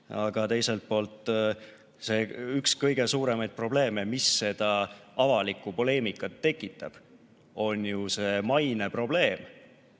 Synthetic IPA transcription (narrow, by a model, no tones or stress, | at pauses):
ɑɡ̥ɑt̪e̞jse̞lt̪̚po̞ːlt̪ːˑ | se̞ːykskɤjɡe̞suːɾe̞mɑjd̪̚pro̞ble̞ːme̞misːe̞d̪̥ɑɑvɑlikˑupo̞le̞ːmikːˑɑt̪ːe̞kːˑit̪ːˑɑb̥ | o̞nʲjuse̞mɑjne̞pro̞b̥le̞ːm